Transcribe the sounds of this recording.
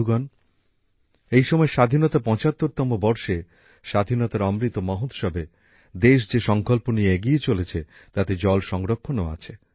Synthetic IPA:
uɡɔn | ejʃɔmɔeʃad̪ʱinɔt̪apɔ̃t͡ɕat̪ːoɾt̪ɔmobɔɾʃe | ʃad̪ʱinɔt̪aɾɔmɾit̪omɔɦot̪ʃɔbʱe | d̪eʃ̬d͡ʑeʃɔŋkolponieeɡiet͡ɕolet͡ɕʰet̪at̪ed͡ʑɔlʃɔŋɾokʰːonoa̰t͡ɕʰe

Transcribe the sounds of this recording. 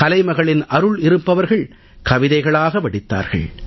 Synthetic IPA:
ɐlɐɪmɐɣɐɭɪnʔɐɾɯɭɪɾɯpːɐʋɐɾɣɐɭ | kɐʋɪðɐɪɣɐɭaːɣɐʋɐɽɪt̪ːa̰ːɾɣɐ̰ɭ

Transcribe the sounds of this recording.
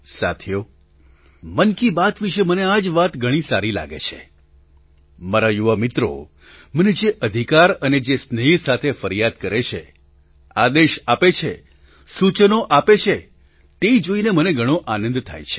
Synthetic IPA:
sa̰t̪ʰjo | mənkibat̪ʰʋiʃemənead͡ʒʋat̪ɡʱəɽ̃ĩsaɾila̰ɡḛt͡ʃʰḛ | maɾajuʋəmɪt̪ɾo̰ | məned͡ʒeʔəd̪ʱikaɾəned͡ʒesnəɦisat̪ʰefəɾijad̪kəɾet͡ʃʰḛ | ad̪eʃapet͡ʃʰe | sut͡ʃənoʔapet͡ʃʰe | t̪eid͡ʒoineməneɡʱəɽ̃õʔanə̃nd̪t̪ʰa̰jt͡ʃʰe̥

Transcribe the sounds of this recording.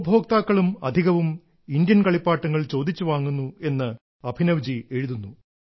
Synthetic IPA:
bʱo̞ːk̚t̪aːkːɐɭumɐ̰d̪ʱiɣɐʋum | ind̪jɐnkɐɭipːaːʈːɐŋːɐɭt͡ɕo̞ːd̪ʱit͡ɕːuʋaːŋːunːue̞nːɨ | ɐbʱinɐʋd͡ʑie̞ɻuðunːu

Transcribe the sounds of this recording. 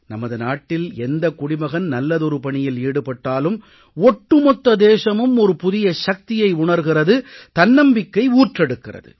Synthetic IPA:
nɐmɐðɯnaːʈːɪlɛnd̪ɐkʊɽɪmɐɣɐnnɐlːɐðɔɾɯpɐɳɪjɪliːɽɯpɐʈːaːlɯm | ɔʈːɯmɔt̪ːɐd̪eːʂɐmɯmɔɾɯpʊðɪjɐʂɐk̚t̪ɪjɐɪʊɳɐɾɣɪrɐðɯt̪ɐnːɐmbɪkːɐɪuːʈrɛɽɯkːɪrɐ̰ðɯ̰

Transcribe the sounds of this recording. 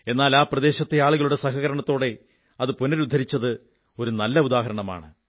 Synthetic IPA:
e̞nːaːlaːprɐd̪e̞ːɕɐt̪ːe̞aːɭuɣɐɭuɽe̞sɐɦɐɣɐɾɐɳɐt̪ːo̞ːɽe̞ | ɐðɨpunɐɾud̪ʱːɐɾit͡ɕːɐðɨ | o̞ɾunɐlːɐud̪aːɦɐɾɐɳɐma̰ːɳɨ

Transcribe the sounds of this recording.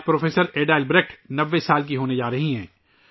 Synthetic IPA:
pɾoːfʰeːsəɾeːɖaːlbɾeːkʈnɐʋːesaːlk̬iɦoːned͡ʒaːɾɐɦiɦɛ̃ː

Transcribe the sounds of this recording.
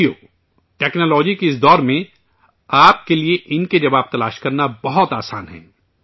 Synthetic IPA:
ioː | ʈɛːknoːlɔːd͡ʒikeɪs̬d̪ɔːɾmẽ | aːp̚kelieʔɪnked͡ʒɐbaːb̚t̪ɐlaːʃkɐɾnabɐɦɔt̪aːsaːnɦɛ̰̃ː

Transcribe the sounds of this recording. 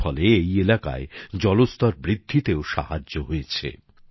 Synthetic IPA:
ɔleejelaka̰ed͡ʑɔlost̪ɔɾbɾid̪ʱːit̪eoʃa̰ɦad͡ʑːoɦojet͡ɕʰḛ

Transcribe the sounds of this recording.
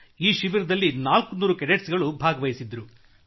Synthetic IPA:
iːʃiʋiɾɐd̪ɐlːinaːlkunuːɾukeɾeʈsɡɐɭubʱaːɡɐʋɐjisid̪ɐɾu

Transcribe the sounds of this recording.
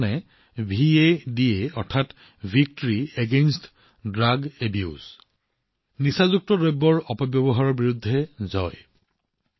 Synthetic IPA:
nɛ | bʱiedieɔɹtʰat | bʱik̚tɔɹieɡenst | dɹaɡebjṵz | nisazuk̚tɔdɔjbːɔɹɔpɔbjɔbɔɦaɹɔɹbiɹudʱːɛzɔj

